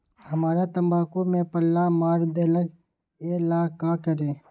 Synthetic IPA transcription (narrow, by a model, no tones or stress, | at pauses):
həmaːɾat̪əmbaːkomẽpəlːamaːɾd̪eːləɡ | eːlaːkaːkəɾẽː